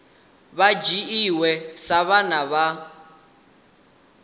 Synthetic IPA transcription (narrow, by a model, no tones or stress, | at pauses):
βad͡ʒiiwɛsaβanaβa